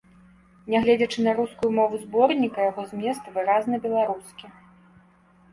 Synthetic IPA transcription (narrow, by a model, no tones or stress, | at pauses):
nʲɛɣlʲɛd͡zʲɐt͡ʂɨnɐɾuskujumɔvuzbɔrnʲikɐjaɣɔzʲmʲɛst̪vɨɾaznɐbʲɛlˠaɾuskʲi